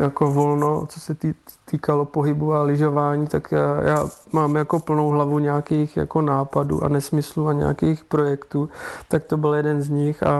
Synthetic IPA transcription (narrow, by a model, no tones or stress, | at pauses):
jako̞vo̞lnot͡sosɛi | t̪iːkalo̞poɦɪbualɪʒo̞vaːɲiːt̪akːja̰ːmaːmjako̞pl̩no̞wɦlavuɲɛakiːxja̰ko̞naːpadṵːʔa̰nɛsmɪsluaɲɛ̰akɛːxpɾo̞jɛkt̪uːt̪ak̚t̪o̞bɪljɛdɛnzɲɪxa̰